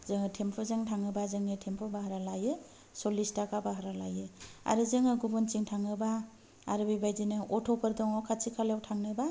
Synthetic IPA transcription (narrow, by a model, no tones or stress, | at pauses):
zɯŋɯtʰempʰɔzeŋtʰaŋɯbazɯŋɯtʰempʰɔbaɦaɾalajɯ | sɔlistakʰabaɦaɾalajɯa̰ɾɯzɯŋɯɡubɔnt͡ʃiŋtʰaŋɯba | a̰ɾɯbajbajdinɯʔɔtʰɔpʰɯɾdɔŋɔkʰasʰikʰalawtʰaŋnɯba